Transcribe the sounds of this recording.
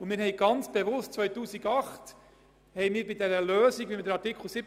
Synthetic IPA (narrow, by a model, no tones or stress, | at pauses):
ʊmɪːɾhɛɪɡ̥ɑnt͡sb̥evʊstt͡svœʏtuːsiɡɑχt | hɛjmɪːɾbidɛɾəløːsiɡvimɪdəɾɑɾtikʰχl̩sɪb